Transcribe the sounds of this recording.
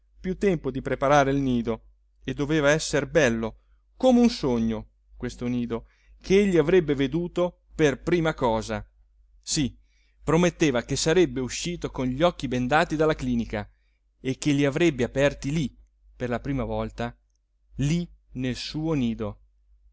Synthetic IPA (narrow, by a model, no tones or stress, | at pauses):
pjut̪ːɛmpod̪ipɾepaɾaːɾeilniːd̪o | ed̪ːoveːvaɛsːerbɛlːo | komeunsoɲːo | kwest̪oniːd̪o | kʰeeʎːiavɾɛbːeved̪uːt̪o | perpɾiːmakɔːza | si | pɾomet̪ːeːvakesaɾɛbːeuʃːiːt̪okonʎiɔkːibend̪aːt̪id̪alːakliːnika | ekːeliavɾɛbːeapɛrt̪ili | perlapɾiːmavɔlt̪a | linelsuːoniːd̪o